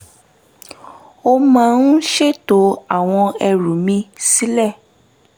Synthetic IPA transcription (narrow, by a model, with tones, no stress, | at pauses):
o˧mã˦nũ˦ʃe˦to˨˦a˦˨w̃ɔ̃˧ɛ˧ɾũ˨mĩ˧si˦lɛ˦˨